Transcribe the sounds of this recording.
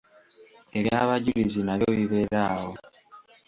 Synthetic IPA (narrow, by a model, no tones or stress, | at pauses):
e̞ɾjaβaɟilizinaɾjoβiβe̞ɾaːhwo